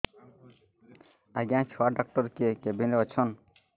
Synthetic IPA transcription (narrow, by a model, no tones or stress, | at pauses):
aɡãt͡ʃʰuaɖak̚ʈɔɾkekebineɔt͡ʃʰɔn